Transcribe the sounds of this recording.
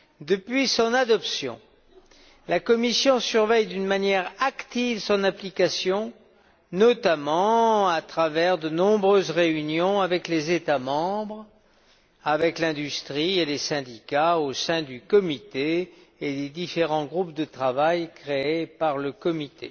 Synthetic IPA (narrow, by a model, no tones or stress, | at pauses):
d̪əpɥisɔ̃nad̪ɔpsjɔ̰̃ | lakɔmisjɔ̃syʁvɛjd̪ynmanjɛʁakt̪ivsɔ̃naplikasjɔ̃ | nɔt̪amɑ̃at̪χavɛʁd̪ənɔ̃bʁøzʁeynjɔ̃avɛklezet̪amɑ̃bʁ | avɛklɛ̃d̪yst̪χielesɛ̃d̪ikaosɛ̃d̪ykɔmit̪eː | d̪ed̪ifeʁɑ̃ɡʁup̚d̪ət̪χavajkχeepaʁləkɔmit̪ḛ